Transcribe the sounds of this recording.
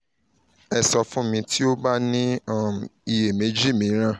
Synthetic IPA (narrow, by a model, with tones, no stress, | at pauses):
ɛ˨sɔ˧fũ˦mĩ˧tʰi˦o˦ba˦nĩ˦˨ | i˨je˨me˨˦d͡ʒi˦˨mĩ˨˦ɾ̃ã˦˨